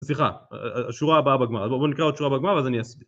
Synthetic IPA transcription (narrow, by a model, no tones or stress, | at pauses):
sliχa̰aʃuʁaːbaabeɡmaʁazbobonikʁaodʃuʁabeɡmaʁvazaniast̪